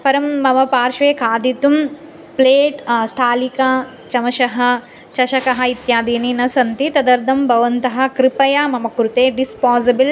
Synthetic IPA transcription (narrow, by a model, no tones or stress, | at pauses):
pɐɾɐmːɐʋɐpaːɾʃʋeːkʰaːd̪it̪um | pleːʈst̪ʰaːlika | t͡ʃɐmɐʃɐɦɐ̆ | t͡ʃɐʃɐkɐɦɐit̪jaːd̪iːninɐsɐnt̪it̪ɐd̪ɐɾd̪ʱɐmbʱɐʋɐnt̪ɐɦɐ̆kɾipɐjaːmɐmɐkɾut̪eːɖispaːzɐbl